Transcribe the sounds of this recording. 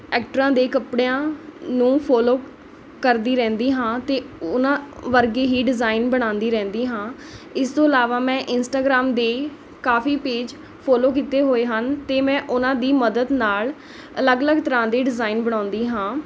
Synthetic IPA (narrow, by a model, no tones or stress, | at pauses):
ɛːkʈɾãːd̪eːkəpɽejãːnũːpʰɔːloː | kəɾd̪iːɾɛ̃ːnd̪iːɦãːt̪eːʊnãːʋəɾɡeːɦiːɖɪzaːɪnbəɽ̃ãːnd̪iːɾɛ̃ːnd̪iːɦãː | ɪst̪õːɪlaːʋaːmɛ̃ːʔɪnsʈaːɡɾaːmd̪eː | kaːfʰiːpeːd͡ʒ | pʰɔːloːkiːt̪eːɦoːeːɦənt̪eːmɛ̃ːʔʊnãːd̪iːməd̪əd̪naːl | ələɡələɡt̪əɾãːd̪eːɖɪzaːinbəɽ̃ãːnd̪iːɦãː